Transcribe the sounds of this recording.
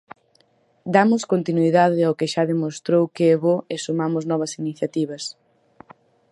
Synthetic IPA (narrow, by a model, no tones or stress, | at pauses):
d̪amʊskont̪inuiðaðɪawkeʃaðemost̪ɾowkeɛβoesumamʊznɔβɐsiniθjat̪iβɐs